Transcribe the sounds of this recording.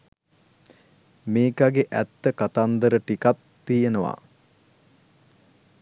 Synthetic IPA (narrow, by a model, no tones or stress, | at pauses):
meːkaɡeʔæt̪ːəkat̪and̪əɾəʈikat̪ːijenəʋa̰